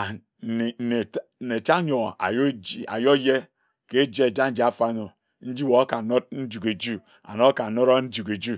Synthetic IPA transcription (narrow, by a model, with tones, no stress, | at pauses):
e˨n̩˨ne˨˦˨ne˨t͡ʃa˦ɲo˨a̰˨ja̰˨jo˦je˦ | ke˦d͡ʒe˦˨d͡ʒa˦n̩˦d͡ʒi˨a˨fa˦no˨ | n̩˦d͡ʒi˦wo˨a˦ka˨no˦t̚n̩˦d͡ʒu˨ke˨d͡ʒu˦ | a̰˨no˦ka˨no˦ɾo˦n̩˦d͡ʒu˨ke˨d͡ʒu˦